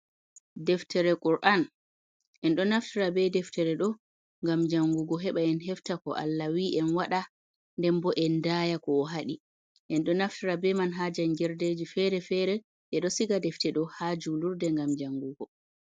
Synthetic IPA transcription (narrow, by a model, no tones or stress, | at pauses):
dɛftɛɾɛkʼuɾʔan | ʔɛnɗɔnaftiɾabɛdɛftʰɛɾɛɗɔ | ŋɡamd͡ʒaŋɡuɡɔɦɛɓaɛnɦɛftakɔ̰ʔa̰lːawiʔɛnwaɗa | ndɛmbɔʔɛndajakɔːɦaɗi | ʔɛnɗɔnaftiɾabɛmanɦad͡ʒanɡɛɾded͡ʒifɛɾɛfɛɾɛ | ʔɛɗɔsiɡadɛftɛɗɔhad͡ʒuluɾdɛŋɡamd͡ʒaŋɡuɡɔ